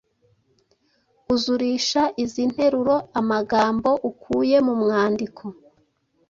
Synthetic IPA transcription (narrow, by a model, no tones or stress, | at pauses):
uzuɾiːʃaʔizin̥he̞ɾuɾo̞amaɡaːmbo̞ʔukʰuːje̞mumŋaːndikʰo̞